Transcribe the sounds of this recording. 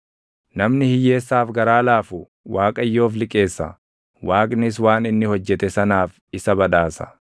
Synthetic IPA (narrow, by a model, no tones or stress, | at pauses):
nɐmnɪhɪjːe̞ːsːaːfɡɐɾaːlaːfʊ | waːkʼɐjːo̞ːflɪkʼe̞ːsːɐ̰ | waːkʼnɪs̬waːnɪnːɪhɔd͡ʒːɛt̪ɛsɐnaːf | ɪsɐbɐᶑ̪aːsɐ̥̰